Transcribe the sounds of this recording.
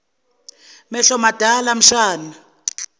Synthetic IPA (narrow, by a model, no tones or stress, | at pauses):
mɛɬɔmad̥ʱalam̩ʃaːna